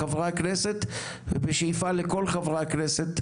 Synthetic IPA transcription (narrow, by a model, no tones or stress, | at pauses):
avʁakneset̪ | vebeʃejfaleko̞lχavʁakneset̪